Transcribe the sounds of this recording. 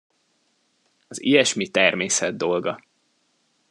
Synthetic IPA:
ɒzḭjɛʃmit̪ɛrmeːsɛd̪d̪o̞lɡɒ

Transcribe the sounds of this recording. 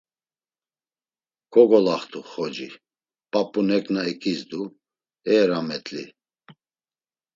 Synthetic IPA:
kʰʼɔɡɔlaχt̪ʰuχɔd͡ʒi | pʼapʼunɛkʼnaɛkʰʼizd̪u | ɛːɾamɛt̪ʼlḭ

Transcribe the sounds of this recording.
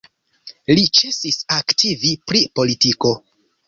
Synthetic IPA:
lit͡ʃe̞sisaktʰivipɾipo̞litiko̞

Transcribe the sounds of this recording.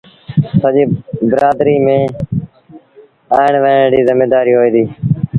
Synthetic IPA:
səʄiːbɪɾaːd̪ɾiːmẽː | aːɪɳʋəɖiːzɪmeːd̪aːɾiːɦoːiːd̪iː

